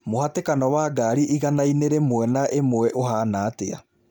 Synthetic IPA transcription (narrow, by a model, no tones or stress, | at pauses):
mohatekanɔwaːɡaːɾiʔiɣanaineɾemoɛnaʔemoɛʔoɦaːnaːtea̰